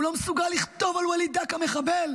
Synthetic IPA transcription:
lomesuɡalːiχt̪o̞valwalid̪akameχabel

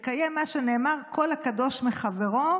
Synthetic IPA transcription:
kajemːaʃeneːmaʁkʰo̞lakad̪o̞ʃmeχaveʁo

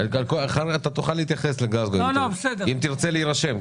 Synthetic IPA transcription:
aalkoaχaʁat̪at̪uχalːeit̪jaχesleɡazɡoolobesed̪eimt̪iʁt͡seleiʁaʃem

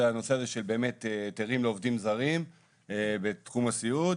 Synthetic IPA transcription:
ano̞se̞aze̞ʃe̞lbe̞ːme̞teteʁimleo̞vdimzaʁim | ebet̪χumasiud

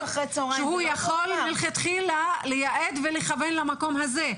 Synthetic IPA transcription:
aχʁet͡soʁʃehujaχo̞lmelχet̪χilalejaʔed̪veleχavenlamako̞mhaze

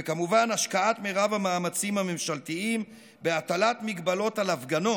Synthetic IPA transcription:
ekamuvanaʃkaat̪meʁavamaːmat͡simame̞mʃaltiim | beat̪alatmiɡbalo̞talafɡano̞

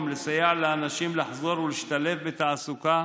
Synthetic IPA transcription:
mlesajaʕlaanaʃimlaħzo̞ɾwliʃt̪alefbet̪aʕasuka

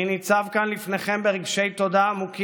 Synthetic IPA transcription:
nit͡savkanlifne̞χe̞mbeʁiɡʃe̞jt̪o̞d̪aːmuki

